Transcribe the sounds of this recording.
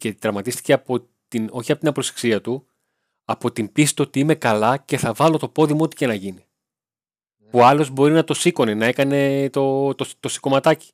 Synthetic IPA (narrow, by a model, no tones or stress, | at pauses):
ce̞t̪ɾɐmɐt̪ist̪i̥ce̞ɐpo̞ | t̪ino̞çiɐpo̞t̪inɐpɾose̥ksiɐt̪u | ɐpo̞t̪impisi̥t̪o̞t̪iime̞kɐlɐce̞θɐvɐlo̞t̪o̞po̞ðimoot̪i̥cenɐʝini | puɐlo̞zbo̞ɾinɐt̪o̞siko̞ne̞nɐekɐne̞t̪o̞t̪ot̪o̞si̥ko̞mɐt̪ɐci̥